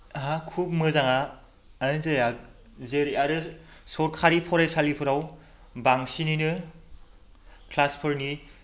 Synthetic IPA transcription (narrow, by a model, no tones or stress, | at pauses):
ɦakʰub̚mɯzaŋaː | nɯzejak̚ | zeɾiaɾɯsɔt̚kʰaɾipʰɔɾajsalipʰɯɾaw | baŋsininɯ | kʰlaspʰɯɾni